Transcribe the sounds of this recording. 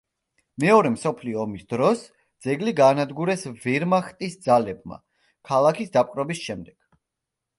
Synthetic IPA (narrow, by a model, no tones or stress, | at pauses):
mɛɔɾɛmsɔpʰliɔːmisd̪ɾɔs | d̪z̥ɛɡliɡaːnad̪ɡuɾɛsvɛɾmaχt̪ʼisd̪zalɛb̚ma̰ | kʰalˠakʰisd̪apʼqʼɾɔbisʃɛmd̪ɛɡ̥